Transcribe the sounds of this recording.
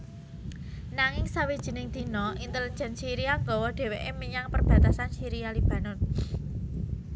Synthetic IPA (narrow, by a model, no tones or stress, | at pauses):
naŋɪŋsawid̥ʒ̥ə̤nɪŋd̪̥i̤nɔʔint̪ələɲd͡ʒansiɾijaŋɡɔwɔɖ̥e̤weʔemiɲaŋpərb̥ä̤t̪asansiɾijalib̥a̤nɔn